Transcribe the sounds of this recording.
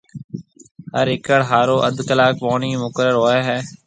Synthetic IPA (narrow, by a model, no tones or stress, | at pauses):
həɾɪkəɽɦaːɾoːʔəd̪kəlaːk̚poːɳiːmʊkəɾəɾɦoːeːɦɛː